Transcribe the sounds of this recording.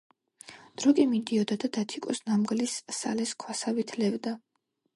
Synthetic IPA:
d̪̥ɾɔkʼimid̪iɔd̪ad̪ad̪at̪ʰikʼɔsnamɡlisːa̰lɛskʰwasavit̪ʰlɛvd̪a

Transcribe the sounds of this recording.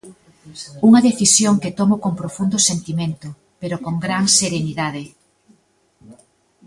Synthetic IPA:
uŋɐðeθisjoŋket̪omokoŋpɾofund̪osent̪imẽnt̪ʊ | peɾokoŋɡɾaŋseɾeniðaðe

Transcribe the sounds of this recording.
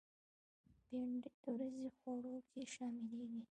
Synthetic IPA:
beɳɖɪt̪əwɾazixoɽokʰeʃɑmɪleɡi

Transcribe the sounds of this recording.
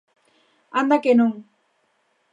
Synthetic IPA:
and̪akenuŋ

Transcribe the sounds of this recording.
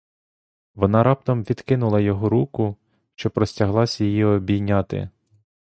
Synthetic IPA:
ʋɔnɑɾɑp̚t̪ɔmʋʲid̪̥kɪnʊlˠɐjɔɦɔɾukʊ | ʃt͡ʃɔpɾɔsʲtʲɐɦlˠɑsʲjijiɔbʲijnʲɑt̪ɪ̰

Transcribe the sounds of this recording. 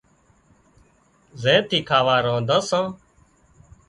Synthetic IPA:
zẽːt̪ʰiːkʰaːʋaːɾãːd̪ãːsãː

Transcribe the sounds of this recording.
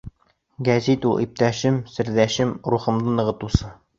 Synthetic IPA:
ɡæzit̪ulˠʔḭp̚t̪æʃɘmsɘ̆ɾðæʃɘmɾuχɤ̆md̪ɤnɤ̆ʁɤ̆t̪usɤ

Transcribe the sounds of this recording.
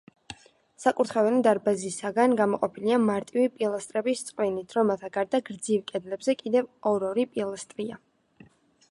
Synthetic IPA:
sakʼuɾt̪ʰχɛvɛlid̪aɾbazisaɡanɡamɔqʼɔpʰiliamaɾt̪ʼivipʼilˠast̪ʼɾɛbist̪sʼqʼvinit̪ʰɾɔmɛlˠt̪ʰaɡaɾd̪aɡɾd̪zivkʼɛd̪lɛbzɛkʼid̪ɛvɔɾɔɾipʼilˠast̪ʼɾia

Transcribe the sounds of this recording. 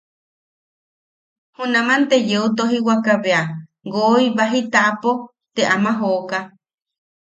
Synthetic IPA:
hunãmant̪ejeut̪̬oɦiwakaβea | ɡoiβaɦit̪aʔapo | t̪eʔamaɦoka

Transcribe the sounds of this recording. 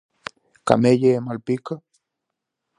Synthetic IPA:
ka̰mejemalpika

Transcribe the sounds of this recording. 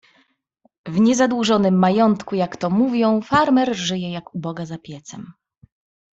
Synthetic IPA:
vɲɛzad̪wuʐɔnɘmːajɔnt̪kujakt̪ɔmuvʲjɔ̃w̃faɾmɛɾʐɘjɛjakubɔɡazapʲjɛt̪sɛm

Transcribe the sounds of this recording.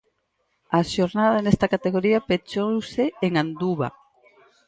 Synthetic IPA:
aʃoɾnaðanest̪ɐkat̪eɣoɾiapet͡ʃowseeŋand̪uβa̰

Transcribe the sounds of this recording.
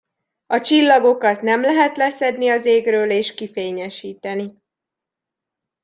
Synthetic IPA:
ɒt͡ʃilːɒɡo̞kɒt̪nɛmlɛɦɛt̪lɛsɛd̪niɒzeːɡrøːleːʃkifeːɲɛʃiːt̪ɛni

